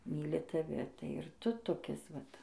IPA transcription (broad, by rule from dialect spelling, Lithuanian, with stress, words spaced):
ˈmʲiːlʲɪ tɐˈʋʲɪ tɐɪ ɪr ˈtʊ toːˈkʲɪs ʋɐt